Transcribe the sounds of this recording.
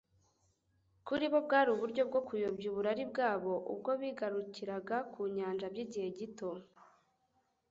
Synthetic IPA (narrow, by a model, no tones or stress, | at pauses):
kuɾiβo̞b̚ɡaːɾuβuɾɟo̞b̚ɡo̞kujobɟuβuɾaɾibɡaːβo̞ʔṵb̚ɡo̞βiːɡaɾuciɾaɡakʰuɲaːnd͡ʒabɟiɟihe̞ɟito̞